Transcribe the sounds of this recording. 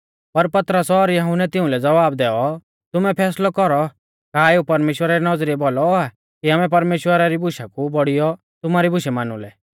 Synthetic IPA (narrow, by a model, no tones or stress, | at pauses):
pɐɾpɐt̪ɾəsɔɾjɐɦʊnɛt̪ɪʊ̃lɛd͡zɐʋaːbd̪ɛːɔ | t̪ʊmɛpʰɛːslɔkɔɾɔ | kaːeupɐɾmeːʃwəɾaɾinɔd͡zɾiɛbɔlɔa | kiaːmɛpɐɾmeːʃwəɾaɾibʱʊʃakubɔɽijɔ | t̪ʊmaɾibʊʃɛmaːnʊ̰lɛ